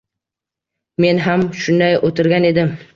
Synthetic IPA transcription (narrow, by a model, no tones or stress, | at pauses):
me̞nɦamʃʊnd̪ajot̪ʰɪɾɡʲane̞d̪ɪm